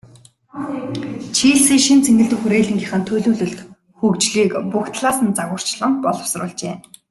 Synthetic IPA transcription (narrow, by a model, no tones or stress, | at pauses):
t͡ɕʰiːɮsiːŋʃint͡sʰeŋɡɘ̆ɮt̪ɘ̆kxuɾeːɮɘ̆ŋɡiχănt̪ʰɵɮuːɮɵ̆ɮt̪ | xɵkt͡ɕɮiːkpukt̪ɮaːsə̆nt͡saɣʊːr̥t͡ɕɮə̆ŋpɔɮɞ̆w̥srʊ̰ːɮt͡ɕeː